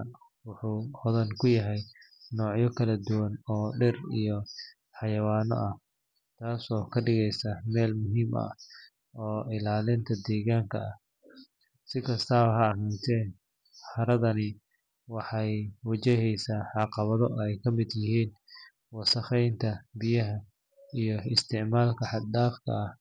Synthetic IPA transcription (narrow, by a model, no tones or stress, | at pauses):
wʊħuːɔðɐnkʰʊjɐɦɛjnɔːʕjɔkʰɐlɐd̪ʊwɐnɔːɖɪrḭjɔ | ħɑjɐwaːnɔ̰ʔɐh | t̪ʰaːsɔːkʰɐɖɪɣɛjsɐmɛːlmʊɦiːmɐ̰ | ɔːɪlaːlɪnt̪ʰɐd̪ɛːɣaːŋkʰɐɐh | sɪkʰɐst̪ʰaːhɐɐɦɐnt̪ʰɛːn | ħɐɾɐðɐnɪ | wɑħɑjwɐt͡ʃɛɦɛjsaːħɑqɑβɐðɔɛjkʰɐmɪd̪jɪɦiːn | wɐsɐχɛjnt̪ʰɐbɪjɐɦɐ | ijɔɪst̪ʰɪʕmaːlkʰɐħɑd̪d̪aːfkʰɐ̰ɐh